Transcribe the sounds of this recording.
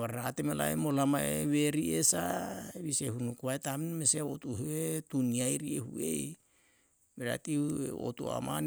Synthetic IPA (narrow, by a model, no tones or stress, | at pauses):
aɾɾatemela̰ḛmolamaeβeɾiesaβisehunukuaetaminmeseotuheetuniajɾiehṵḛj | meɾa̰tieo̰tua̰ma̰n